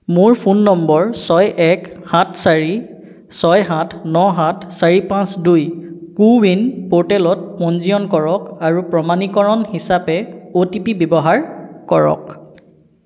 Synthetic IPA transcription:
mʊɹpʰunːɔmbɔɹsɔjʔɛkhãtʰsaɹi | sɔjɦãtʰnɔɦãtʰsaɹipãsdujkuwinpoɹtɛlɔt̚pɔnzijɔnkɔɹɔkaɹupɹɔmanikɔɹɔnhisapɛotipibɔbɔɦaɹkɔɹɔ̰k

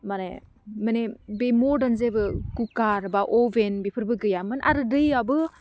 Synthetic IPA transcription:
mane | manebemodanzebɯkukaɾbaʔɔbenbipʰɯɾbɯɡɯjamɯnʔa̰ɾɯdɯjabɯ

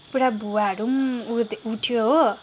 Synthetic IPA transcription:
puɽabʱuaɾumuɾd̪uʈʰijo

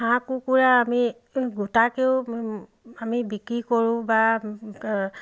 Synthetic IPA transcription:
ɦãkukuɹaːmi | ɡutakeʊ | amibikɹikoɹʊ̃ba

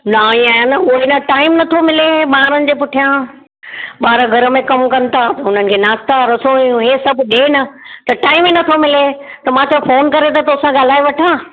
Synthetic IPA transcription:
naːĩaːjãnɐʊɦɪnəʈaːɪmnɐt̪ʰomɪleɓaːɾənɪ̆d͡ʑeːpʊʈʰijã | ɓaːɾaɡʱɐɾə̆mẽkɐmkɐn̆t̪at̪ɐʊn̤ənɪ̆kʰeːnaːst̪aɾɐsõɦesɐbʱʊɗeːnɐt̪ɐʈaːɪmenɐt̪ʰomɪlet̪ɐmãːt̪ofoːnkɐɾet̪ʰɐt̪oːsãɠaːl̤aːeʋɐʈʰãː

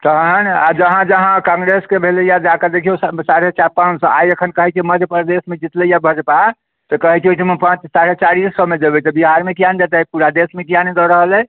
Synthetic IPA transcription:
t̪əɦənad͡ʒəɦãd͡ʒəɦãkãŋɡɾeskebʱelejad͡ʒakəd̪ekʰijossaɾet͡ʃaɾpãnt͡ʃsə̃ajəkʰənkəɦɛt͡ʃʰeməd̪ʱjəpəɾd̪esmed͡ʒit̪ləjabʱəd͡ʒpa | t̪ɔkəɦɛt͡ʃʰot͡ʃʰimpãt͡ʃsaɾet͡ʃaɾisːəmed͡ʒəbɛt̪ɔbiɦaɾmeʈijand͡ʒat̪ɛpuɾad̪esmeʈijaned̪ɔɾəɦəlɛ

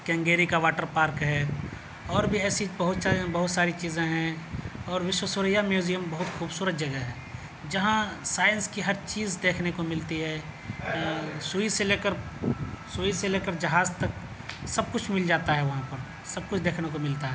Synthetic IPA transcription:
kɛ̃ːŋɡeːɾikaʋaːʈəɾpaːɾkɦɛː | ɔːɾbʱiɛːsibɐɦʊt̪sabɐɦʊt̪saːɾit͡ʃiːzẽɦɛ̃ɔːɾʋɪʃwəsʊɾəjamjuːzijəmbɐɦʊt̪xuːbsuːɾət̪̚d͡ʒɐɡɛɦɛː | d͡ʒɐɦãsaːɪənskiɦɐɾt͡ʃiːzd̪eːkʰnekomɪlt̪iɦɛː | suiseleːkəɾ | suːiseleːkəɾd͡ʒɐɦaːzt̪ɐk | sɐb̚kʊt͡ʃʰmɪld͡ʒaːt̪aɦɛʋɐɦãpɐɾ | sɐb̚kʊt͡ʃʰd̪eːkʰnekomɪlt̪aɦɛː

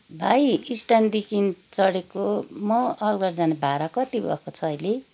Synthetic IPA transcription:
bʱajisʈand̪ikint͡sʌɽekomʌʌlɡʌɾd͡zanebʱaɾakʌt̪ibʌ̰kot͡sʰʌʌjle

